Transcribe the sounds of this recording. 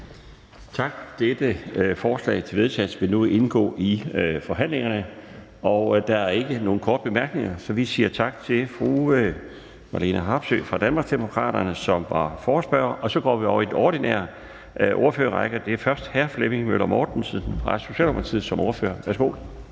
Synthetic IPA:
t͡sʰɑ̈ɡ̥d̥ed̥əfɒːslɛ̰ɪt͡sʰe̝ʋe̝ðˠsʰɛ̰̥sʋe̝nue̝nɡ̥ɔ̰̽ːʔifɒ̽ɦæn̰leŋɐnə | ɒʊd̥ɑ̈æɐe̝ɡ̥əno̝ːn̩kʰɒːd̥b̥e̝mæɐɡ̥ne̝ŋɐsɒ̽ʋisiːɐt͡sʰɑ̈ɡ̥t͡sʰe̝lfʁu | mɑ̈linæɦɑ̈ːb̥sø̰ːfʁɑ̈d̥ænmɑ̈ɡ̥sd̥emo̝kʰʁɑ̰̈ːɾ̥ɐnəsɒ̽mʋɑ̈fɒːsb̥ɶːɐʔɒ̽sɒ̽ɡ̥ɒ̰ːʋiɒʊɐid̥enɒːd̥inɛ̰ɐ | ʔo̝ːɐføːɐʁɑɪɡ̥ɐd̥e̝æfɶɐsd̥hæɐfleme̝ŋmølɐmɒːd̥n̩siðˠn̩ʁɑ̈sɕoɕɛ̰ːlɒmɐt͡sʰið̰ˠsɒ̽mʔoɐfø̰ːɐʋæɐsɡ̥o̝̰ː

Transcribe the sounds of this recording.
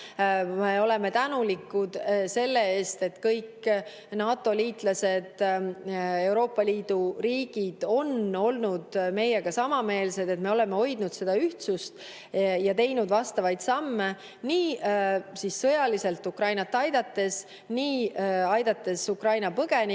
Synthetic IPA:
me̞o̞leme̞t̪ænulikːud̪̥se̞lːe̞eːst̪e̞t̪kɤjk | nɑːt̪ːˑo̞liːt̪ˑlɑse̞d̪̥ | e̞wɾo̞ːpːˑɑliːd̪̥uriːɡ̥id̪̥o̞no̞lnud̪̥me̞jeɡ̥ɑsɑmɑme̞ːlse̞d̪e̞t̪me̞o̞le̞me̞o̞jd̪nud̪̥se̞d̪̥ɑyht̪sust̪ | jɑt̪e̞jnud̪̥vɑst̪ɑvɑjd̪̥sɑmːe | niː | sissɤjɑlise̞lt̪ːukrɑjnɑt̪ːˑɑjd̪̥ɑt̪ːe̞s | niːɑjd̪̥ɑt̪ːe̞sukrɑjnɑpɤɡ̥e̞ni

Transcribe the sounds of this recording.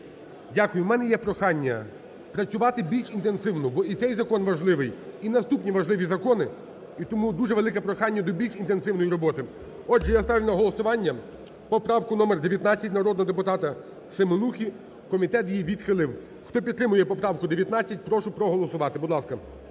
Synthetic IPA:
dʲakʊjʊmɛnɛjɛpɾɔxɑnʲːɐ | pɾɐt͡sʲʊʋɑt̪ɪbʲilʲʃint̪ensɪwnʊbɔit̪sɛjzɐkɔnʋɐʒlˠɪʋɪjinɐst̪upnʲiʋɐʒlˠɪʋʲizɐkɔnɪ | it̪ɔmud̪uʒɛʋelˠɪkɛpɾɔxɑnʲːɐd̪ɔbʲilʲʃint̪ensɪwnɔjiɾɔbɔt̪ɪ | ɔdʒɛjast̪ɑʋʲnɐɦɔlˠɔsʊʋɑnʲːɐ | pɔpɾɑwkʊnɔmɛrd̪eʋʲjɐt̪nɑt͡sʲːɐtʲnɐɾɔd̪nɔɦɔd̪epʊt̪ɑt̪ɐ | semɔnuxʲi | kɔmʲit̪ɛt̪jijʋʲid̪xɪlˠɪw | xt̪ɔpʲid̪t̪ːɾɪmʊjɛpɔpɾɑwkʊd̪eʋjɐt̪nɑt͡sʲːɐt̚ʲpɾɔʃʊpɾɔɦɔlˠɔsʊʋɑt̪ɪbʊd̪lˠɑskɐ

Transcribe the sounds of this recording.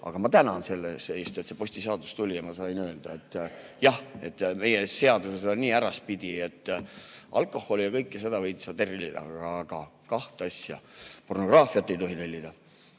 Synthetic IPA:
ʔɑ̰ɡ̥ɑmɑt̪ænɑnse̞lːese̞ːst̪e̞t̪se̞po̞sʲt̪iseɑd̪ust̪ulʲijɑmɑsɑjnøeld̪̥ɑe̞t̪ːˑjɑhe̞t̪ːˑme̞jese̞ɑd̪usesɑniːæɾɑs̚pid̪̥ʲie̞t̪ːʔɑ̰lkːˑo̞hːo̞lijɑkɤjkːˑjɑsed̪ɑvɤjt̪isɑt̪erilid̪ɑ̰̥ːɡ̥ɑkɑht̪eɑsʲjɑpo̞rno̞ɡ̥rɑːfiɑt̪ːe̞jt̪o̞ɦit̪elʲːid̪̥ɑ

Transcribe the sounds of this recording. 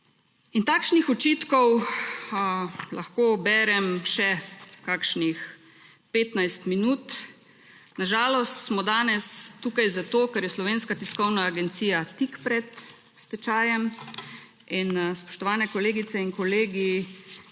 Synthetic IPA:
int̪akʃnixɔt͡ʃiːt̪kɔw | la̰xkoːbɛːɾɛmʃɛkakʃnix | peːt̪najst̪minuːt̪ | naʒaːlɔst̪smɔd̪aːnɛst̪uːkajzat̪oːkɛɾjɛslɔʋeːnskat̪iskɔwnaːɡɛnt̪siːjat̪ikpɾɛt̪ | st̪ɛt͡ʃaːjɛm | inspɔ̥ʃt̪ɔʋaːnɛkɔleːɡit̪sɛiŋkɔleːɡi

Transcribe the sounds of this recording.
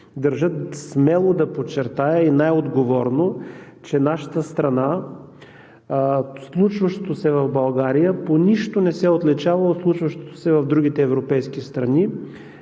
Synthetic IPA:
d̪ɐɾʒɤt̪smɛlˠod̪ɐpot͡ʃːɛɾt̪ajəinajod̪ɡovɔɾno | t͡ʃɛnaʃə̥t̪əst̪ɾɐna | slˠut͡ʃvɐʃt̪o̥t̪osɛvɐvbɐlˠɡaɾijəponiʃt̪onɛsɛot̪lɛt͡ʃavəlˠoslˠut͡ʃvɐʃt̪o̥t̪o̥sɛvɐvd̪ɾuɡ̟ʲit̪ɛːvɾopɛjsk̟ist̪ɾɐni

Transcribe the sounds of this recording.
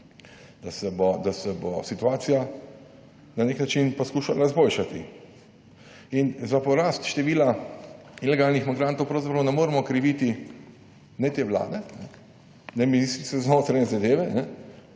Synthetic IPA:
d̪asɛbɔd̪asɛbɔsit̪uaːt̪sija | naneknat͡ʃinpaskuːʃalazboːlʃat̪i | inzapɔɾaːst̪ʃt̪ɛʋiːla | ilɛɡaːlnixmiɡɾaːnt̪ɔwpɾɐwzapɾawnɛmoːɾɛmɔkɾiʋiːt̪i | nɛt̪eːʋla̰ːd̪ɛnɛ | nɛminist̪ɾit̪sɛznoːt̪ɾaɲɛzad̪eːʋɛnɛ

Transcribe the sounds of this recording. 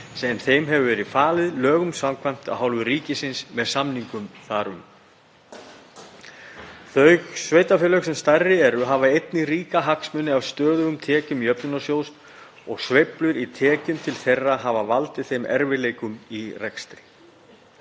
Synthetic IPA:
sɛmθejmɦɛvʏvɛːɾɪfaːlɪðlœːɣʏmsamkʰvajm̥t̪a̰ðɦawlvʏriːcɪsɪnsmɛðsamniŋkʏmθaːɾʏm | θœɥɣsvejt̪afɛːlœɣsɛmst̪arːɪɛɾʏɦavaejt̪nɪɣriːkaɦaksmʏnːɪawst̪œːðʏɣʏmt̪ʰɛːcʏmiœpnʏnasjowst̪ | ɔɣsvejplʏɾit̪ʰɛːcʏmt̪ʰɪlθejrːaɦavavalt̪ɪθejmʔɛ̰ɾvɪleːjkʏmirɛkst̪ɾɪ̥

